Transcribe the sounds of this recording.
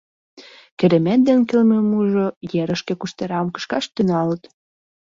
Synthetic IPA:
keɾĕmæt̪̚d̪enkelmemuʒojeɾəʃkĕkuʃt̪eɾɑmkə̥ʃkɑʃt̪ynɑlət̪

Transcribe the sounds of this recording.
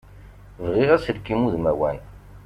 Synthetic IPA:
vʁiʁæsəlkimuðmæwæ̰n

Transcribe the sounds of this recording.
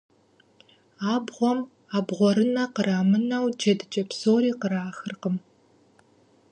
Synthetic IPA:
aːbʁʷɔm | aːbʁʷɔɾɨnɐqəɾaːmɨnɐwd͡ʒɐdɨt͡ʃʼɐpsoːɾiːqəɾaːxɨrqəm

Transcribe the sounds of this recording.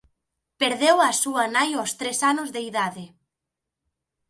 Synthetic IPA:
peɾðewasuanajost̪ɾesanʊzðeiðaðe

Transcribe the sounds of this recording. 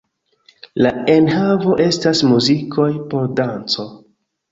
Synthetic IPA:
lae̞nhavo̞ʔe̞stasmuzikʰo̞jpo̞ɾdant͡so̞

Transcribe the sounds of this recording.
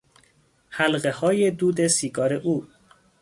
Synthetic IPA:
hælɢehɒːjed̪uːd̪e̞siːɡɒːɾeʔuː

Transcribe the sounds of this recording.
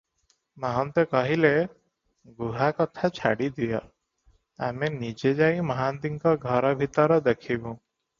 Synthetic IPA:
maɦɔnt̪ekɔɦile | ɡuɦakɔt̪ʰat͡ʃʰa̰ɽid̪ija̰ | a̰menid͡ʒed͡ʒajmɔɦand̪iŋkɔɡʱɔɾɔbʱit̪ɔɾɔd̪ekʰibũ

